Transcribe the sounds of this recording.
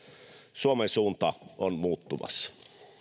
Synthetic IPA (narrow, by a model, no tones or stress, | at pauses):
suomensuːnt̪ɑonmuːt̪ːumɑ̰sːɑ̥